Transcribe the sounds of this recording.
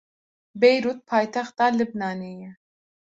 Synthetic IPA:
bejɾuːt̪̚pʰɑːjt̪ʰɛxt̪ɑːlɨb̚nɑːnejɛ

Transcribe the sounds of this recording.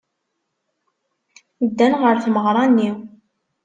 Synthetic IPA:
d̪ːænʁəɾθməʁɾˤɑnːi

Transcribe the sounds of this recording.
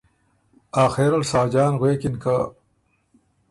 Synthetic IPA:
aːxeɾɐlsaːd͡ʑaːnɣweːkinkʰa

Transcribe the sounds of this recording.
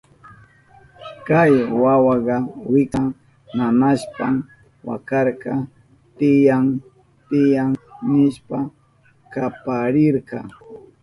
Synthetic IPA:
kajwawɑɢɑwɪka | mamaʃpam | wa̰kɑɾkɑ | t̪ɪjaŋ | t̪ɪjaŋnɪʃpa | kapaɾɪɾɢɑ̰

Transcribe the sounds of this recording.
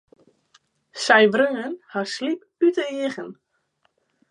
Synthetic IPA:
sɛjʋrøːənhaslip | ytəiəɣən

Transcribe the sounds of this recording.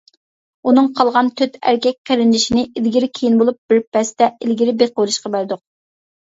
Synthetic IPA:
unɨŋqʰɑlˠʁɑnt̪ʰøt̪ʰæ̰ɾkʲɛk̚ʲqeɾɪnlɪʃinɪʔilɡʲiɾɪkʲʰejinbolˠup̚b̥ɪɾpʰɛst̪ɛɪlɡʲiɾɪbeqowlˠɨʃqɑbæɾd̪ʊq̚

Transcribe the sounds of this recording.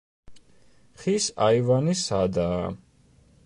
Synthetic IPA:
χisaivanisad̪aː

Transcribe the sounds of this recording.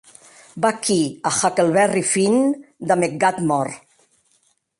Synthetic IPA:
bakiaxakelβɛrifind̪amek̚ɡat̪mɔɾ

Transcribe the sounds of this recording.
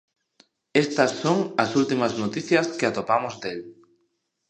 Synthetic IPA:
est̪ɐsːoŋɐsult̪imɐznot̪iθjɐskɪat̪opamozd̪el

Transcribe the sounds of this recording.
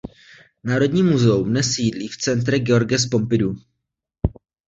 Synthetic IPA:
naːɾo̞dɲiːmuzɛumnɛsjiːdliːft͡sɛnt̪ɾɛɡɛo̞ɾɡɛs̬po̞mpɪdu

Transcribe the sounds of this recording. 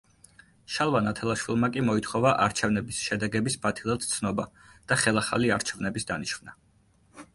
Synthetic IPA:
ʃalˠvanat̪ʰɛlˠaʃwilˠmakʼimɔit̪ʰχɔvaʔaɾt͡ʃʰɛvnɛbisʃɛd̪ɛɡɛbisbat̪ʰilˠɛt̪ʰt̪sʰnɔbad̪̥aχɛlˠaχa̰liaɾt͡ʃʰɛvnɛbisd̪aniʃvna

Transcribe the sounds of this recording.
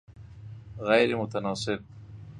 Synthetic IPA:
ɣajɾemʊt̪anɑːsɪb̚

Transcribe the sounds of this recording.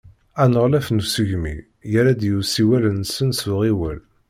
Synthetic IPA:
ænəʁlæfnusəʝmḭ | jəɾæd̪jusiwælənsənsʊʁiwəl

